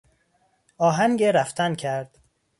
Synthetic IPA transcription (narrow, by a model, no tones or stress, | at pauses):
ɒːɦæŋɡeɾæft̪ʰæncʰæɾd̪̥